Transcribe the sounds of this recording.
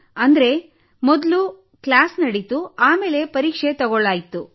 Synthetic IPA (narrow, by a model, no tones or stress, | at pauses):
ɐnd̪ɾe̞ | mɔd̪lu | klaːsnɐɽit̪uaːme̞ːle̞pɐɾiːkʂet̪ɔɡɔɭaːjit̪ːu